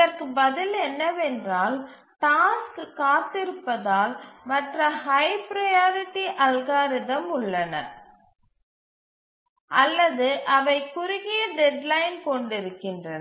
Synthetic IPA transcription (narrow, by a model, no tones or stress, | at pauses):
ɐrkɯbɐðɪlɛnːɐʋɛndraːl | ʈaːskkːaːt̪ɪɾɯpːɐðaːlmɐʈrɐhɐɪpɾɐjaːɾɪʈːiʔɐlɣaːɾɪðɐmʊɭːɐnɐ̰ | ʔɐlːɐðɯʔɐʋɐɪkːʊɾʊɣɪjɐɖɛɖlɐɪnkɔɳɖɪɾɯkːɪndrɐnɐ